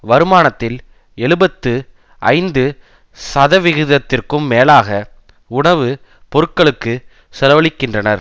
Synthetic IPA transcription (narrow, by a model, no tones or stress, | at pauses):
ʋɐɾɯmaːnɐt̪ːɪl | ɛɭɯbɐt̪ːɯ | ʔɐ̰ɪnd̪ɯ | sɐðɐʋɪɣɯðɐt̪ːɪrkɯmːeːlaːɣɐ | ʊɳɐʋɯ | pɔɾɯkːɐɭɯkːɯ | sɛlɐʋɐɭɪkːɪndrɐnɐɾ